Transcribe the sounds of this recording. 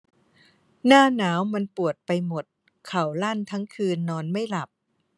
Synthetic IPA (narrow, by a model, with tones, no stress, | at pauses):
naː˥˩naː˩˦˥wma˧npu˨˩ət̪̚pa˧jmo˨˩t̪̚ | kʰa˨˩wla˥˩nt̪ʰa˦˥ŋkʰɯː˧nːɔː˧nma˥˩jla˨˩p̚